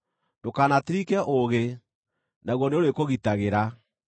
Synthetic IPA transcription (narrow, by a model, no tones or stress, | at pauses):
ndokaːnateɾikɛʔoɣe | naɣwɔneoɾekoɣitaɣeɾa